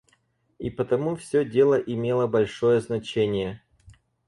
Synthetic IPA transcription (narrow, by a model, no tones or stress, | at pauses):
ipət̪ɐmufsʲɵdʲe̞lˠəʔɪmʲe̞lˠəbɐlʲʂojəznɐt͡ɕenʲɪjə